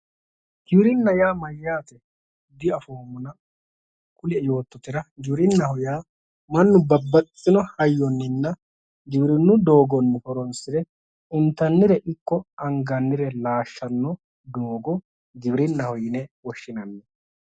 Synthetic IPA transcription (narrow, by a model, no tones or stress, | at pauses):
ɡ̥ɪwɪɾɪnːɐjaːmɐjːaːt̪ɛ | d̪ɪɐfoːmːʊnɐ | kʼʊlɛjo̞ːt̪ːɔt̪ɪɾɐɡɪbɪɾɪnːɐhɔjaː | mɐnːʊbɐbːɐt͡sʼːɪnɔhɐjːɔnːɪnːɐ | ɡɪbɪɾɪnːʊd̪o̞ːɡɔnːɪhɔɾɔnsɪɾɛ | ɪnt̪ːɐnːɪɾɛʔɪkːɔɐŋɡɐnːɪɾɛlaːʃːɐnːɔ | d̪o̞ːɡɔ | ɡɪbɪɾɪnːɐhɔjɪnɛwɔʃːɪnɐnːɛ